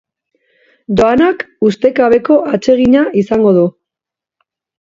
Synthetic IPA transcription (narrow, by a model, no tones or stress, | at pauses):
d̪o̞anakust̪e̞kaβe̞ko̞ʔat͡ʃe̞ɣ̞iɲaʔisaŋɡo̞ð̞u